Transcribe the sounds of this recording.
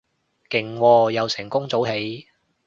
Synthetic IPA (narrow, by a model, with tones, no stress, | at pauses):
kɪ˨˩ŋwɔː˧jɐ˨˧wsɪ˨˩ŋkʊ˥ŋt͡so˨˥whe˨˥j